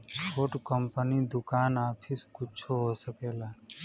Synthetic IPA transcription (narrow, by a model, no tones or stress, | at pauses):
t͡ʃʰoːʈkəmpənid̪ʊkaːnaːpʰɪskʊt͡ʃʰoɦosəkeːlaː